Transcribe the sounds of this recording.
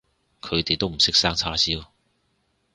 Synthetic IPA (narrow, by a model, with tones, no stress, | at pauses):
kʰɵ˨˧ɥt̪e˨jt̪o˥wm̩˨˩sɪ˥k̚saː˥ŋt͡sʰaː˥si˥w